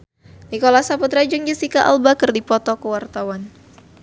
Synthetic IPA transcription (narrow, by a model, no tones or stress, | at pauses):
nikolasaput̪ɾad͡ʒəŋd͡ʒəsikaʔa̰lbakərdipɔt̪ɔkəwart̪awan